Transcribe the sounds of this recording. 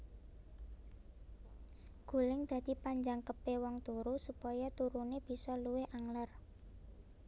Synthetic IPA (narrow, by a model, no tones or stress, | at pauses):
ɡ̥ṳlɪŋd̪̥a̤d̪̥i̤paɲd͡ʒaŋkəpewɔŋt̪uɾusupɔjɔt̪uɾuneb̥i̤sɔluwɪhʔaŋlar